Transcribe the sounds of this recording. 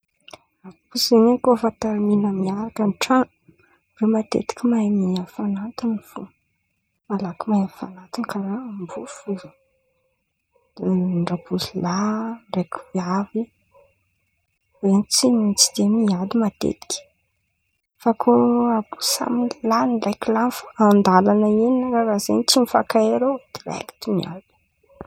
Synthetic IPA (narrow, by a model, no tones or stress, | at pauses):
apuszeɲekofat̪aminamiaɾakənʈ͡ʂa | remat̪ḛt̪i̥kʲimamiafanant̪unfu | malakimajafanat̪unkaɾambufuɾə | ɳɖ͡ʐabuzilarekiavi | ent͡simit͡sid̪emialimat̪ḛt̪i̥kʲi̥ | fakʰoabu̥sa̰minlanilajkilanfaand̪alanaininaɾaɾazenit͡simifakaeɾod̪̥iɾa̰ki̥t̪imia̰li̥